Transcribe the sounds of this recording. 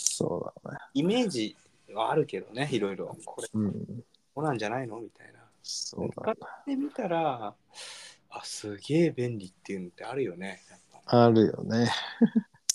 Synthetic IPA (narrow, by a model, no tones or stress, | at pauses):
soːd̪a̰neime̞ːʑi | βaːɾɯ̟ke̞d̪o̞ne̞iɾo̞iɾo̞kʰoɯ̟̃ː | onãɲ̟d͡ʑanainomʲit̪aina | so̰d̪aaaemʲit̪aɾa | asɨɡʲe̞ːbẽ̞nɾʲit̪ːe̞jɯ̟no̞t̪ːe̞aɾɯ̟jo̞ne̞japːaaɾɯ̟jo̰ne